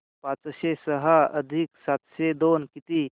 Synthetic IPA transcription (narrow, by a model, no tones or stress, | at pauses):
pãːt͡sʃesəɦaɐd̪ʱiksat̪sed̪oːnkit̪i